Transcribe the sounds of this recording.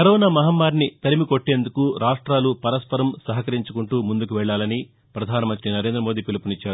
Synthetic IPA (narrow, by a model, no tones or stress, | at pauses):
kɐɾɔːnaːmɐɦaːmːaːɾnit̪ɐɾimiko̞ʈːe̞ːnd̪ukuɾaːʂʈɾaːlupɐɾɐspɐɾɐmsɐɦɐkɐɾiɲt͡ʃukuɳʈuːmund̪ukuʋɛɭːaːlɐni | pɾɐd̪ʱaːnɐmɐnt̪ɾinɐɾe̞ːnd̪ɾɐmo̞ːd̪iːpilɐpunit͡ʃːaːɾu